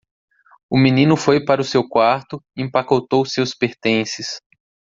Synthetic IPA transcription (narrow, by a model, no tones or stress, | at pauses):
ʊmĩnĩnʊfojpaɾʊsewkwaɾt̪ʊiẽpakot̪owsewspeɾt̪ẽsɪs